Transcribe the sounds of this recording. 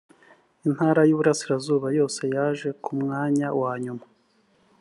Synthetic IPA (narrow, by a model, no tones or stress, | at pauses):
in̥haːɾajuːβuɾasiɾazuːβajo̞ːse̞jaːʒe̞kumŋaːɲawaːɲuma